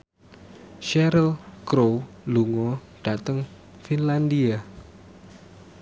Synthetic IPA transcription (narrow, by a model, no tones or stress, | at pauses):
ʃɛɾəlkɾo | luŋɔ | ɖ̥a̤t̪əŋ | finland̪ia